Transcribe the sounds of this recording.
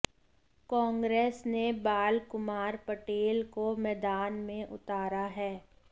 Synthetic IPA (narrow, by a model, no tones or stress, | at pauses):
kɔ̃ːŋɡɾeːsnebaːlkʊmaːɾpɐʈeːlkomɛːd̪aːnmẽʔʊ̰t̪aːɾaɦɛː